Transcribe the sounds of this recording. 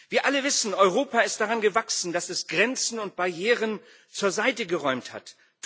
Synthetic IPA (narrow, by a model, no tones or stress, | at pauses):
viːɐʔaləvɪsn̩ɔʏʁoːpaɪst̚d̥aʁanɡəvaksn̩dasɛsɡ̥ʁɛnt͡sn̩ʊnt̚b̥aɐjeːʁən | t͡suːɐzaɪtəɡəʁɔʏmtha̰t